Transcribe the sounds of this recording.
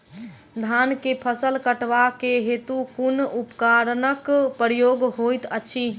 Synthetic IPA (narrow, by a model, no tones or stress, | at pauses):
d̪ʱankepʰəsəlkəʈʋakeɦet̪ukunupəkaɾnəkpəɾjoɡɦojt̪ət͡ʃʰi